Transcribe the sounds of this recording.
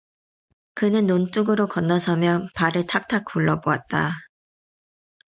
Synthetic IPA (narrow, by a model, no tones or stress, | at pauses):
kɯnɯnːont͈uɡɯɾokʌnːʌsʰʌmjʌnpaɾɯɭtʰak̚tʰak̚k͈uɭːʌboat̚t͈a